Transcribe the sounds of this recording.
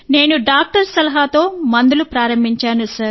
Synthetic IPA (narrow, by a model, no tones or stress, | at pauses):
ne̞ːnuɖaːk̚ʈɐɾsɐlɐɦat̪o̞ːmɐnd̪ulupɾaːɾɐmbʱiɲt͡ʃaːnusɐɾ